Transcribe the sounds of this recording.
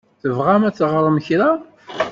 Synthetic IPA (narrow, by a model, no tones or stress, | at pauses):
θəvʁæmæt͡sːʁɾˤəmçɾa